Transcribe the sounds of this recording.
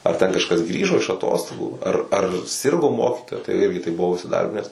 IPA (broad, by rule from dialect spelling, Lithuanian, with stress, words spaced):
ɐr ˈtʲɛn kɐʃˈkɐs ˈɡrʲiːʒoː ɪʃ ɐˈtoːstoːɡuː ɐr ɐr ˈsʲɪrɡoː ˈmoːkʲɪtoːjɛ tɐɪ ˈɪrʲɡʲɪ tɐɪ bʊˈʋɐʊ ɪsʲɪˈdɐrʲbʲɪnʲɛs